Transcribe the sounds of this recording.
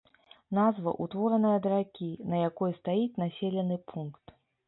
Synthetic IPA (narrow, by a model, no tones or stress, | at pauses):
nazvɐ̰ʔut̪vɔɾɐnɐjɐd̪ɾakʲinɐjakɔjst̪ajit͡sʲnasʲelʲɐnɨpʰunkt̪